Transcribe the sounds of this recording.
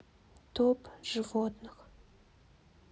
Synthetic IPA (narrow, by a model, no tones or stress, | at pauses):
t̪ʰopʒ̥ɨvot̪nəq